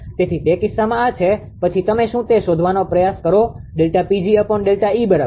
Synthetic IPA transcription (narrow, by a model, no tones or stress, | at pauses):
t̪et̪ʰit̪ekɪsːamãat͡ʃʰe | pət͡ʃʰit̪əmeʃũt̪eʃod̪ʱʋanopɾəjaskəɾoɖelʈapid͡ʒiəpəɳɖelʈaibəɾa